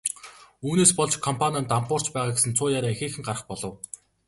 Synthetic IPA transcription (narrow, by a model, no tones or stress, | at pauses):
uːneːspɔɮt͡ɕkʰɔmpʰanʲant̪ampʊːr̥t͡ɕpæːʁaːɡesɘ̆nt͡sʰʊːjaːɾaːexeːxɘ̆ŋɢarə̆χpɔɮɞ̆w